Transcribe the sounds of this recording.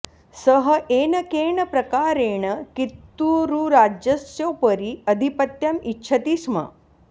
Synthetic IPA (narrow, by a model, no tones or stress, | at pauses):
səɦəʔeːnɐkeːɳəpɾɐkaːɾeːɳəkit̪ːuɾuɾad͡ʒjɐsjopəɾiɐd̪ʱipət̪jɐmitːɕʰɐt̪iːsmɐ̰